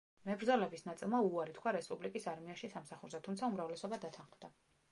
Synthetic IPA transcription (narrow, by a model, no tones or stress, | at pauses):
mɛbɾd̪zɔlɛbisnat̪sʼilˠmauaɾit̪ʰkʰwaɾɛspʼublikʼisaɾmiaʃisamsaχuɾzɛt̪ʰumt̪sʰaumɾavlɛsɔbad̪at̪ʰãnχmd̪a